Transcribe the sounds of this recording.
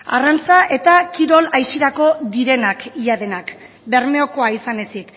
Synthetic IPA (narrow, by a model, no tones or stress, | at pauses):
a̰rant͡saʔe̞t̪akiɾo̞lajsiɾako̞d̪iɾe̞nakijað̞e̞nak | be̞ɾme̞o̞ko̞aisane̞sit̪